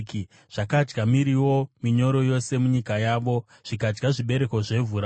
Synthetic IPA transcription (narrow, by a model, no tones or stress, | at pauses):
ki | ʐ̥akad͡ʒɡamiɾiwo̞miɲo̞ɾo̞jo̞se̞muɲikajaːʋo̞ | ʐ̥ikad͡ʒɡaʐiɓe̞ɾe̞koʐe̞vuɾa